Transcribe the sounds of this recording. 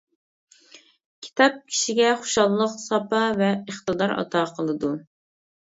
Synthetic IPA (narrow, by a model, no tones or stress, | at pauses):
kʲʰi̥t̪ʰɑp̚kʲʰi̥ʃiɡʲɛχo̥ʃɑlˠlˠəqsɑpɑvɛəχt̪ɨd̪ɑɾɑ̰t̪ʰɑːqʰəlˠɨd̪u